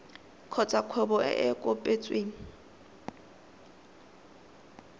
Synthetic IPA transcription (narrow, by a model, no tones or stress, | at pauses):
kʰɔt͡sʼakʰwɛbɔ̰ɛkʼʊpʼet͡sʼweːŋ̩